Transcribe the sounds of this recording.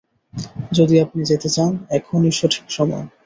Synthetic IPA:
d͡ʑod̪iapnid͡ʑet̪et͡ɕanɛkʰoniʃoʈʰi̥kʃɔmɔ̰j

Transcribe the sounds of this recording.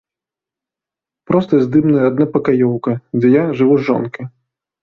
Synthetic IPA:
pɾɔst̪ɐzʲd̪ɨmnɐjɐad̪̚napɐkajɔwkɐd͡zʲɛjaʐɨvuzɔ̰nkɐ

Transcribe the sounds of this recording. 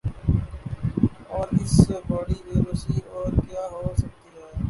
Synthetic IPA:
ɔːɾɪsbaːɽiːbeːɾoːsiːɔːɾkjaːɦoːsək̚t̪iːɦɛː

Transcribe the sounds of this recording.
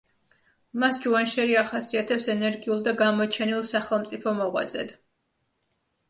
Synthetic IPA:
masd͡ʒuanʃɛɾiaχasiat̪ʰɛpsɛnɛɾɡiulˠd̪aɡamɔt͡ʃʰɛnilˠsaχɛlˠmt̪sʼipʰɔmɔʁwa̰d̪zɛ̰d̪

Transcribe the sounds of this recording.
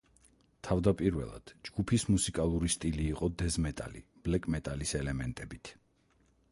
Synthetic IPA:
t̪ʰavd̪apʼiɾvɛ̰lˠa̰d̪̥d͡ʒɡ̥upʰismusikʼalˠuɾist̪ʼiliːqʼɔd̪ɛzmɛt̪ʼa̰lḭb̥lɛkʼmɛt̪ʼalisɛlɛmɛnt̪ʼɛbit̪ʰ

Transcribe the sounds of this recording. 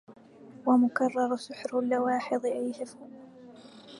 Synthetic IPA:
wamʊkɑrˤːɑɾˤsɪħɾʊlːawɑːħɪðˤʔajhafʊ

